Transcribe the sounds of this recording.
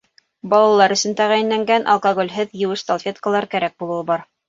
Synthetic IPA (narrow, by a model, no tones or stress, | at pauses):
bɑlˠɑlˠɑɾɵ̆sɵ̆nt̪æʁæjɘ̆nlæŋɡænʔɑ̰lˠkoɡolʲɦɘðjɘ̆wɘʃt̪olˠfʲet̪kəlˠɑɾkæɾæk̚bulˠɤ̆wɤbɑɾ